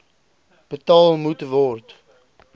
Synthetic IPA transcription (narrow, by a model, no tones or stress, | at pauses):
b̥ətɑːlˠmutvɔrt